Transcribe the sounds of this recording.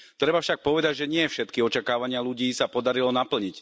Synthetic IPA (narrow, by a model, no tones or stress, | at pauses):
t̪ɾɛbafʃak̚pɔʋɛd̪aɟʒɛɲɪɛfʃɛt̪kiɔt͡ʃakaːʋaɲɪaluɟiːsapɔd̪aɾilɔnapl̩ɲic